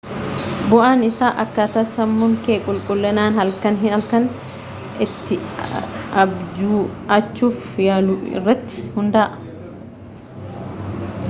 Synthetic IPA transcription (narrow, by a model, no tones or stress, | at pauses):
bʊʔaːnɪsaːʔɐkːat̪ɐsɐmːʊŋkeːkʼʊlkʼʊlːɛnaːnɦɐlkɐnɦɪnɐlkɐn | ɪt̪ːɪ | ɐbd͡ʒuːɐt͡ʃːuːf | jaːluːɪ̰rːɐt̪ːɪ̥hʊnd̪aːʔɐ